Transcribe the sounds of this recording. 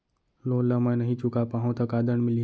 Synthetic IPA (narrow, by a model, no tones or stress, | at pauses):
loːləmə̃jnɐɦĩt͡ʃukapaɦõt̪ʰəkaːd̪əɳmɪli